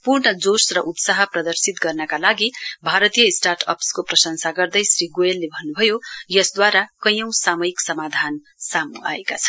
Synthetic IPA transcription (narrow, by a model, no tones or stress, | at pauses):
purɳʌd͡zosrʌʔut̪saɦʌprʌd̪ʌrsit̪ɡʌrnʌkalaɡibʱaɾʌt̪ijʌisʈarʈʰʌpskoprʌsʌŋsaɡʌrd̪ʌjsriɡoelːebʱʌnːubʱʌjojʌsd̪waɾakʌjʌ̃w̃samʌiksʌmad̪ʱan | samua̰ekat͡sʰʌ̥